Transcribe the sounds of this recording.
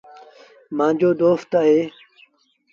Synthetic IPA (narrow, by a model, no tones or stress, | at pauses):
mãːɲd͡ʑoːd̪oːft̪aːɦe